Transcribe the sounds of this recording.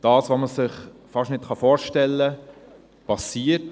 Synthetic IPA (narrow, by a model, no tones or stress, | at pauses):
d̥ɑːsʋoməsɪχfɑʃnɪtχɑfoːɾʃtɛlːə | pɑsiːət